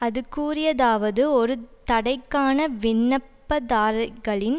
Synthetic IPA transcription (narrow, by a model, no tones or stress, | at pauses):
ɐðɯkːuːrɪjɐðaːʋɐðɯɔɾɯt̪ɐɽɐɪkːaːnɐʋɪɳːɐpːɐðaːɾɣɐɭɪn